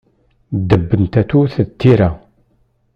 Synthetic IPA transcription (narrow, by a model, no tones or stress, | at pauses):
d̪əbːənt̪æt̪uθət̪ʰːiɾa